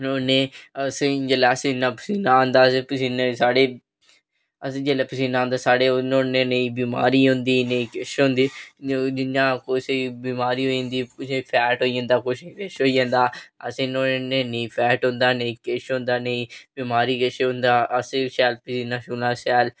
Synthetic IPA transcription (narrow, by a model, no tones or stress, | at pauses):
noːneːəsẽd͡ʒelaːsẽnãːpəsiːnaːõːnd̪aːsepʊsiːnesaːɽeː | əsẽːd͡ʒeleːpəs̬iːnãːnd̪aːsaːɽeːnõːnẽːneĩːbiːma̰ːɾiːɦõnd̪iːneĩːkeʃɦõːnd̪iːd͡ʒɪnːãːkosebiːmaːɾiːɦoːjãːnd̪iːpʊsẽpʰɛːʈɦoːijãːnd̪aːkʊʃekeʃɦoːijãːnd̪aːəsẽnõnẽːnẽĩːpʰɛːʈɦõːnd̪aːneĩːkeʃɦõːnd̪aːneĩːbimaːɾiːkɪʃeɦõnd̪aːʔəsẽʃɛːlpəsiːnãːʃuːnãːʃɛːl